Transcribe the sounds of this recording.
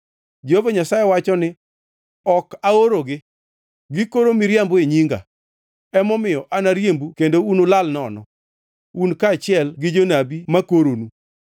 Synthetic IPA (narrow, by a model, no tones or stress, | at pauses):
d͡ʒeovaɲasajewat͡ʃɔnɪ | ɔkaoɾoɡɪ | ɡɪkoɾomɪɾjamboeɲiŋɡa̰ | ɛmɔmɪjɔʔanaɾjembukendounolalnɔnɔ̰ | unkaːt͡ʃɪɛlɡɪd͡ʒonabimakoɾonu